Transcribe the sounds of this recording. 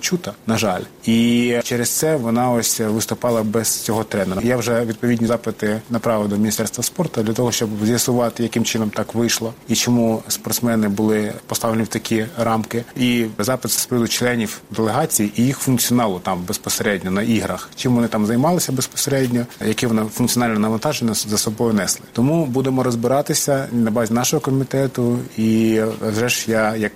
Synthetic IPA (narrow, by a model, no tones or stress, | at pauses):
t͡ʃut̪ɐnɐʒɑlʲit͡ʃɛɾest̪sɛʋɔnɑɔsʲʋɪst̪ʊpɑlˠɐbɛz̥t͡sʲɔɦɔt̪ɾɛneɾɐjawʒɛʋʲid̪̚pɔʋʲidʲnʲizɑpɪt̪ɪnɐpɾɑʋɪd̪ɔmʲnʲist̪ɛrst̪ʋɐspɔrt̪ʊd̪lʲɐt̪ɔɦɔʃt͡ʃɔbzʲjɐsʊʋɑt̪ɪjɐkɪmt͡ʃɪnɔmt̪ɑkʋɪʃlˠɔit͡ʃɔmuspɔrt̪smɛnɪbʊlˠɪpɔst̪ɑʋlʲenʲiwt̪ɐkʲiɾɑmkɪizɑpɪt̪sspɪd̪ʊt͡ʃlˠɛnʲiwd̪elˠeɦɑt͡sʲijiʔijixfʊnkt͡sʲiɔnɑlˠʊt̪ɑmbespɔseɾɛdʲnʲɔnɐʔiɦɾɐxt͡ʃimʋɔnɪt̪ɑmzɐjmɑlˠɪsʲɐbespɔ̥seɾɛdʲnʲɔjɐkɪʋɔnɑfʊnk̚t͡sʲɔnɑlʲnɐnɐʋɐnt̪ɑʒenʲːɐzɐsɔbɔjʊnɛslˠɪt̪ɔmubud̪emɔɾɔzbɪɾɑt̪ɪsʲɐnɐbɑzʲinɑʃɔɦɔkɔmʲit̪ɛt̪ʊiʒʐɛʃjajɐk